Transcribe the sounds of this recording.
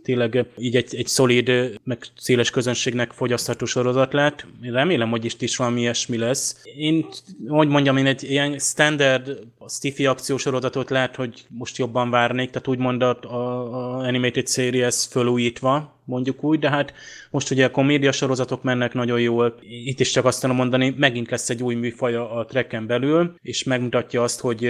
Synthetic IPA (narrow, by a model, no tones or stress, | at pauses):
t̪eːnlɛɡiːɟɛɟɛɟso̞lid̪mɛɡseːlɛʃkø̞zø̞nʃeːɡnɛkfo̞ɟɒst̪hɒt̪oːʃo̞ɾo̞zɒt̪lɛɦɛt̪eːrɛmeːlɛmho̞ɟiʃt̪iʃʋɒlɒmiɛʃmilɛseːnhoɟmo̞ɲɟɒmeːnɛɟːijɛnst̪ɛnd̪ɛrd̪ɒst̪ifiɒkt̪sijoːʃo̞ɾo̞zɒt̪ot̪lɛɦɛt̪ho̞ɟmo̞ʃt̪jo̞bːɒɱvaːrneːk̚t̪aːt̪uːɟmo̞nd̪ɒ | ɛnimejt̪it̪seːɾiɛsføluːjiːt̪ʋɒ | mo̞ɲɟukuːɟd̪ɛɦat̪mo̞ʃt̪uɟɛko̞mːeːd̪ijɒʃo̞ɾo̞zɒt̪o̞kmɛnːɛknɒɟo̞jjoːlit̪ːiʃt͡ʃɒkɒst̪anomo̞nd̪ɒnimɛɡint̪lɛsːɛɟːuːjmyːfɒjɒːt̪rɛkːɛmbɛlyleːʃmɛɡmut̪ɒcːɒɒst̪ho̞ɟ